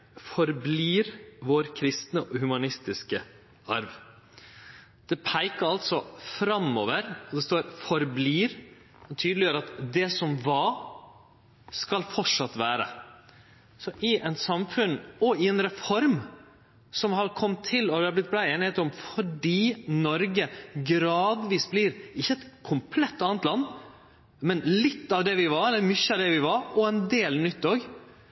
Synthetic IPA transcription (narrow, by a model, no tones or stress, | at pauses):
fɔɾbliːɾʋoːɾkʰɾɪst̪nəʔɔhʉmɑnɪst̪ɪskə | ɑɾʋ | d̪̥ɛpʰæɪkəɾɑlt̪sɔfɾɑmːoːʋəɾɔd̪ɛst̪oːɾfɔɾbliːɾ | ɛnt̪ʰyːd̪lɪjøːɾɑt̪d̪ɛsɔmʋɑ | skɑlfɔʈʂɑt̪ːʋæːɾə̰ | sɔʔɪʔɛnsɑmfʉnɔɪɛnɾɛfɔɾm | sɔmhɑɾkʰɔmːt̪ʰːɪlːɔd̪hɑɾblɪt̪̚blæɪeːnɪheːt̪ɔmfɔɖiːnɔɾɡəɡɾɑːd̪ʋiːsbliɾɪçːəɛt̪kʰʊmpʰlɛt̪ːɑːnət̪lɑnː | mɛnlɪt̪ːɑʋd̪ɛʋɪʋɑɾɛlːəɾmʏçːəɑʋd̪ɛʋɪʋɑɾɔɛnd̪eːlnʏt̪ːoːɡ